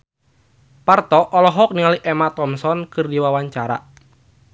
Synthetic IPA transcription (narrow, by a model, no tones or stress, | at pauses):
part̪ɔʔɔlɔɦɔk̚niŋaliʔɛmat̪ɔmsɔnkɨrdiwawaɲt͡ʃaɾa̰